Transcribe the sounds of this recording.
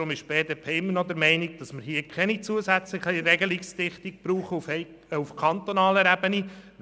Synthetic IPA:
ʊmɪʃb̥eːdeːpʰeːɪmːənɔd̪ɛɾmɛɪniɡd̥ɑsməɾhiəkʰɛnit͡suəsæt͡sləχiɾɛɡəlikstɪχtik̚b̥ɾuːχəuf | ufkʰɑnt̪onɑːləɾæbəni

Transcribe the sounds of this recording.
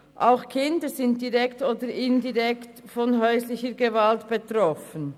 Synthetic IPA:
ʔaʊxkʰɪndəzɪnt̚d̥iʁɛktoːdəɾɪndiʁɛkt | fɔnɦœʏslɪçəɡevaltb̥etʁɔfən

